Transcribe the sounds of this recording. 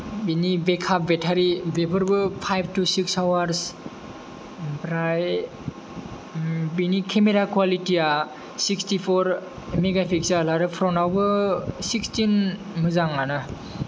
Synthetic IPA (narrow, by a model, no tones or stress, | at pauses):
binibekʰap̚betʰaɾibepʰɯɾbɯpʰajb̚ʰtusiksawaɾs | pɾaj | binikʰemeɾakwalitia | sikstipʰɔɾ | meɡapʰiksalaɾɯpʰɾɔnawbɯsikstin | mɯzaŋanɯ